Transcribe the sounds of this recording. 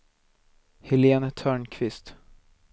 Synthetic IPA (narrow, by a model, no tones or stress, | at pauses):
hɪleːnt̪ʰœːɳkʰvɪst̪